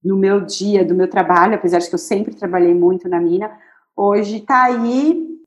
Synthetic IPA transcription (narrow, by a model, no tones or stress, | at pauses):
nʊmewd͡ʒiɐd̪ʊmewt̪ɾabaʎʊapezaɾd͡ʒɪkewsẽmpɾɪt̪ɾabaʎejmũj̃t̪ʊnɐmĩnɐ | oʒɪt̪ai